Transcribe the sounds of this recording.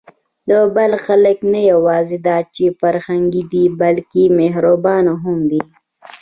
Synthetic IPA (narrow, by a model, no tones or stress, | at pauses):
d̪obɐlxɐləknɐjɐwɑːzid̪aːt͡ʃifɐɾhɐŋɡid̪ibɐlkimeɦɾobɑːnɦumd̪i